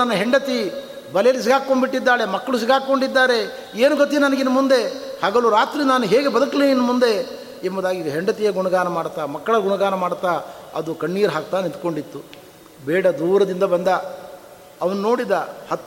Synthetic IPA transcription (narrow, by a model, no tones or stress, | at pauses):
ɐnːɐɦeɳɖɐt̪i | bɐlɛjɐlːis̬iɡaːkkoɳbiʈːid̪ːaːɭe̞mɐkːɐɭus̬iɡaːkkːo̞ɳɖid̪ːaːɾe̞ | eːnuɡɐt̪inɐnɐɡinːɐmund̪e̞haːɡɐluɾaːt̪ɾinaːnuɦeːɡe̞bɐd̪ɐkliinːɐmund̪e̞ | embɐd̪aːɡiɦeɳɖɐt̪ijeːɡuɳɐɡaːnɐmaːɽt̪aːmɐkːɐɭɐɡuɳɐɡaːnɐmaːɽt̪ːaːɐ̰d̪ukɐɳːiːɾɦaːk̚t̪aːnint̪ko̞ɳɖit̪ːu | bɛːɽɐd̪uːɾɐd̪ind̪ɐbɐnd̪ɐ | ɐʋɐnuno̞ːɽid̪ɐhɐt̪ː